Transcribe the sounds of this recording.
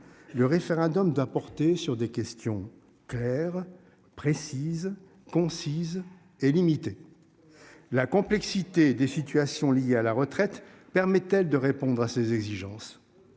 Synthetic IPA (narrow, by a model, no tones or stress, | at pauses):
ləʁefeʁɛ̃d̪ɔmd̪wapɔʁt̪esyʁd̪ekʲɛst̪jɔ̃ | klɛʁ | pχesiz | kɔ̃siz | elimit̪e | lakɔ̃plɛksit̪ed̪esit̪ɥasjɔ̃lijealaʁət̪χɛt̪ | pɛʁmɛt̪ɛld̪əʁepɔ̃d̪ʁasezɛɡziʒɑ̃s